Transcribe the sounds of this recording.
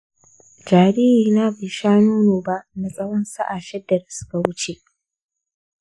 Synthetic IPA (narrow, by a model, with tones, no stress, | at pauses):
d͡ʒaː˨ɾiː˦ɾiː˨na˦beː˨ʃaː˦nuː˦noː˨ba˦ʔna˨sʼɐ˦wɐ˦nsa˦ʔa˨ʃɛ˦dːa˨da˨sʊ̥˦ka˨wʊ˦t͡ʃe˨ʔ